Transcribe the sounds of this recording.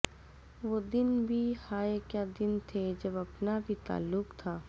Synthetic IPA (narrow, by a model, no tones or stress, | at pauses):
ʋoːd̪ɪnbʱihaːekjaːd̪ɪnt̪ʰed͡ʒɐbɐpnabʱit̪a̰ːlːʊqt̪ʰaː